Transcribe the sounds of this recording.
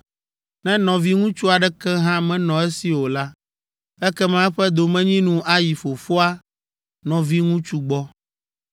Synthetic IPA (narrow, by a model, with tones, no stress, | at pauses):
nɛ̃˦nɔ̃˨vi˦ŋũ˦t͡ʃu˦a˨ɖɛ˦kɛ˦ɦã˦mɛ̃˦nɔ̃˨ɛ˦si˨wo˨la˦ | ɛ˦kɛ˦mã˦ɛ˦ɸɛ˦d̪o˨mɛ̃˦ɲĩ˦nũ˦ʔa˦ji˨fo˨fo˦a˦ | nɔ̃˨vi˦ŋũ˦t͡ʃu˦ɡ͡bɔ˦